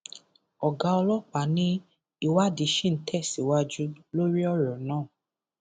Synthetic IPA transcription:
ɔ˨ɡa˧˦ɔ˧lɔ˦˨k͡pa˨˦nĩ˦ | i˧wa˦di˨˧ʃĩ˦n̩˦tʰɛ˦˨si˨wa˦d͡ʒu˦lo˦ɾi˦ɔ˦˨ɾɔ˨nãː˦˨

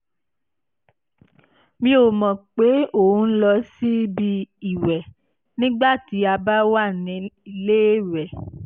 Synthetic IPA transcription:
mĩ˧˦o˨mɔ̃˨k͡pe˨˦o˦˨ũ˨˦n̩˦lɔ˧si˦bi˧i˨wɛ˨ | nĩ˦ɡ͡ba˦˨ti˨˦a˧ba˦wa˦˨nĩ˨˧i˧le˦ɾɛ˨

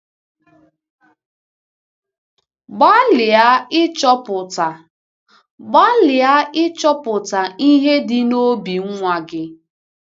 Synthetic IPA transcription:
ɡ͡ba˦lɪ˨a˦ɪ˦t͡ʃɔ˦pʊ˨ta˨ | ɡ͡ba˦lɪ˨a˦ɪ˦t͡ʃɔ˦pʊ˨ta˨i˦ɦe˦dɪ˦no˦bi˨ŋ̩˦ŋʷa˨ɡɪ˦

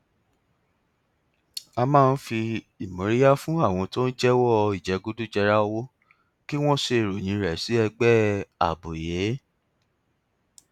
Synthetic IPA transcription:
a˧mãː˦˧n̩˦fi˧ | i˨mõ˨ɾi˦ja˦fũ˦a˦˨w̃ɔ̃˧to˦n̩˦d͡ʒɛ˦wɔ˦i˨d͡ʒɛ˨˦ɡu˧du˦d͡ʒɛ˧ɾa˦wo˦ | ki˦w̃ɔ̃˦se˧˨ɾo˨j̃ĩ˨˧˦ɾɛ˨si˨˦ɛ˧ɡ͡bɛ˦a̰˨bo˨je˨˦

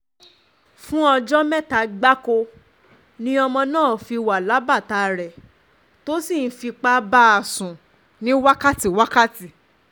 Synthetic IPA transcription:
fũ˦ɔ˧d͡ʒɔ˦mɛ̃˦˨ta˧ɡ͡ba˦ko˧ | nĩ˦ɔ˧mɔ̃˧nãː˦˨fi˧wa˨la˨˦ba˦˨ta˧ɾɛ˨ | to˦si˦˨n̩˦fi˧k͡pa˧˦ba˦a˨sũ˨ | nĩ˦wa˦ka˦˨ti˨wa˦ka˦ti˨

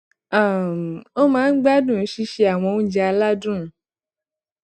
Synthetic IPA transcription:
a˨o˦mãː˨˦ɡ͡ba˦dũ˦˨˦ʃi˧ʃe˧a˨w̃ɔ̃˧u˦d͡ʒɛ˧a˧la˦dũ˦˨˦

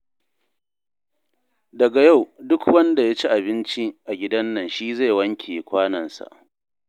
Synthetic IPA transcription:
dɐ˨ɡa˨ja˦˨wdʊ˦kwɐ˦nda˨ja˦t͡ʃi˦ʔa˨bɪ˦nt͡ʃi˦ʔa˨ɡʲɪ˦dɐ˦nːɐ˨nʃiː˦za˦˨wɐ˦ŋkʲʰeː˨kʷaː˦nɐ˨nsa̰˨ʔ

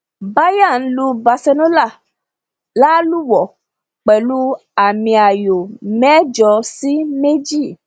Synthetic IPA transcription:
ba˦ja˦˨n̩˦lu˧˦ba˧sɛ˧nõ˦la˦˨ | la˦lu˦wɔ˨ | k͡pɛ˨lu˦ | a˨mĩ˧a˨jo˨mɛ˦d͡ʒɔ˧si˦me˦d͡ʒi˦˨

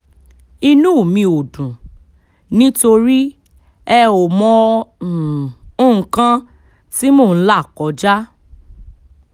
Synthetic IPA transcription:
i˧nũ˦˨mĩ˧o˨dũ˨ | nĩ˦to˧ɾi˦ | ɛ˧o˨mɔ̃˧˨ | õ˦˨kã˦ | ti˦moː˦˨n̩˦la˦˨kɔ˨˦d͡ʒa˦

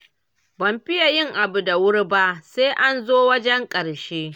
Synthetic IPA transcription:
bɐ˨mɸɪ˦ja˨jɪ˦ŋʔa˨bu˨da˨wʊ˦ɽba˦ʔseː˦ʔa˦nzoː˦wɐ˦d͡ʒɛ˦ŋkʼɐ˨ɽʃeː˦

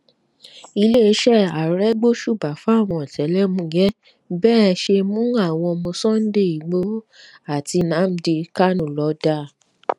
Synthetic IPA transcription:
i˧le˦˧˦ʃɛ˦˨a˨ɾɛ˦ɡ͡bo˦ʃu˦˨ba˨fa˨˦˨w̃ɔ̃˧ɔ˨tɛ˨˦lɛ˦mũ˨˧˦ɡɛ˦ | bɛː˦˧ʃe˧mũ˦a˦˨w̃ɔ̃˧ɔ˧mɔ̃˧sɔ̃˦n̩˦de˦˨i˨ɡ͡bo˦ | a˦˨ti˧nã˨˦m̩˧˦de˧ka˦nũ˦˨lɔ˨˦da˦˨

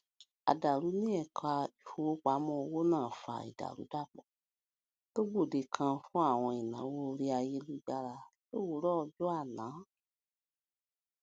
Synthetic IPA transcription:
a̰˨da˨ɾu˨˦nĩ˦ɛ˦˨kla˧i˨fo˧wo˦k͡pa˨˦mɔ̃˧o˧wo˦nãː˦˨fa̰˨ḭ˨da̰˨ɾṵ˨˦da˦˨k͡pɔ˨ | to˦ɡ͡bo˦˨de˨kʰã˧fũ˦a˦˨w̃ɔ̃˧i˨nã̰˨˦wo˦˧ɾi˦a˧je˦lu˦d͡ʒa˧ɾa˧to˦wo˦˨˦ɾɔ˦˧d͡ʒɔ˦a˦˨nãː˨˦

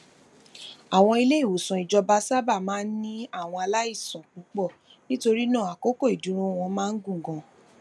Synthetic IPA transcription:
a˨w̃ɔ̃˧i˧le˦i˦˨wo˨sɔ̃˨i˨d͡ʒɔ˧ba˧sa˦ba˦˨mãː˦n̩˦nĩ˦a˦˨w̃ɔ̃˧a˧la˦i˦˨sɔ̃˨k͡pu˨˦k͡pɔ˦˨ | nĩ˦to˧ɾi˦nãː˦˨a˨ko˨˦ko˦˨i˨dũ˨˦ɾ̃ũ˦˨w̃ɔ̃˧mãː˦n̩˦ɡũ˦˨ɡɔ̃˧

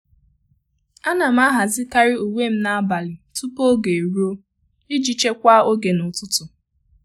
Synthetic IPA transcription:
a˦na˨m̩˦a˦ɦa˨zɪ˦ka˦ɾɪ˦u˨wʷe˦m̩˦na˦a˦ba˨lɪ˨tu˦po˦ɡe˨ɾu˦o˦ | i˦d͡ʒi˦t͡ʃe˦kʷa˦o˦ɡe˨nʊ˨tʊ˦tʊ˨

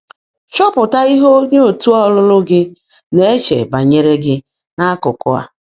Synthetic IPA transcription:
t͡ʃɔ˦pʊ˨ta˦i˦ɦo˦ɲo˦o˨tu˦ɔ˦lʊ˦lʊ˦ɡɪ˦ | ne˨e˦t͡ʃḛ˨ba˨ɲe˦ɾe˦ɡɪ˦ | ŋa˦kʊ˨kʊ˦a̰˦

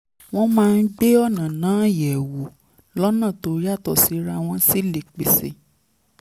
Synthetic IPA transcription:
w̃ɔ̃˦mãː˦˧n̩˦ɡ͡be˦ɔ˦˨nã˨nãː˨˦jɛ˨wu˨ | lɔ˦nã˦˨to˨˧ɾi˦a˦˨tɔ˨si˨˦ɾa˧w̃ɔ̃˧si˦le˨k͡pe˨sḛ˨

